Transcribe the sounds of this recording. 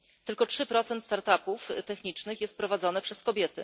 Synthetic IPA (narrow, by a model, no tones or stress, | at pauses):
t̪ɘlkɔtʂɘpɾɔt̪sɛnt̪st̪aɾt̪apuft̪ɛxɲit͡ʂnɘxjɛst̪̚pɾɔvad̪zɔnɛpʂɛskɔbʲjɛt̪ɘ